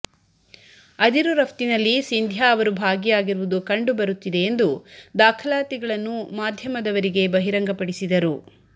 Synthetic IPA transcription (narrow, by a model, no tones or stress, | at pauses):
ɐd̪iɾuɾɐft̪inɐlːisind̪ʱjaːʋɐɾubʱaːɡijaːɡiɾʋud̪ukɐɳɖubɐɾut̪ːid̪e̞ːnd̪ud̪aːkʰɐlaːt̪iɡɐɭɐnːumaːd̪ʱjɐmɐd̪ɐʋɐɾiɡe̞bɐɦiɾɐŋɡɐpɐɽisid̪ɐɾu